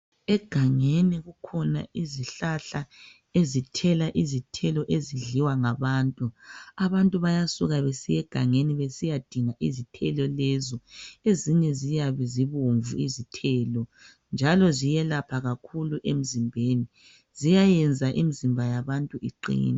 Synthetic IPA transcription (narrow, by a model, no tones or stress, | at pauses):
ɛɡ̥ʱaŋeniɣukʰɔna̰ʔiziɬaɬa | ezitʰɛlaʔizitʰɛlɔʔeziɮiwaŋaβaːntʼuaβantʼuβajasuɣaβesijɛɡ̥ʱaŋeniβesijad̥ʱiŋaʔizitʰɛlɔlɛzɔeziɲɛzijaβɛziβoɱvuizitʰɛːlɔ | nd͡ʒʱalɔzijɛlapʰaɣakʰuluʔem̩zimbʱeːni | zijajɛnd͡zʱaʔimizimbʱajaβantʼuʔiǃḭːni